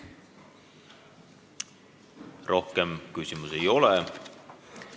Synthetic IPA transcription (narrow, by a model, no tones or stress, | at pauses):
rʔo̞hkemkysimuse̞jo̞le